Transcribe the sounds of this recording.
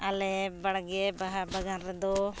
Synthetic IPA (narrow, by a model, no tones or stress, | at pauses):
ɐlebɐɭɐɡebɐɦɐbɐɡaɾɐd̪u